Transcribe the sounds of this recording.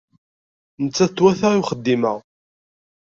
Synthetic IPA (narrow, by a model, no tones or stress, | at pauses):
nət͡sːæt̪ːwæθæʁiwχəd̪ːiməʁ